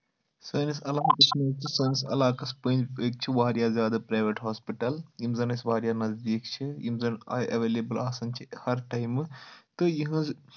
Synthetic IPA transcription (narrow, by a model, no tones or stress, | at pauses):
sɐːnisɐlaːnk̪ɐt͡ʃʰnɐːkt͡ʃ̪ʰisɐːnɐsɐ̰laːkɐspənd͡ʒeːk̚t͡ʃʰiʋaːɾjaːzjaːd̪ɐpɾaːʋeʈɦaːspiʈɐljimzɐnɐsʋaːɾjaːnɐzd̪iːkt͡ʃʰijḭmzɐnɐ̰ʔɐʋeːlebɨlaːsɐnt͡ʃʰihɐɾʈɐjmt̪ɨjiɦɨ̃z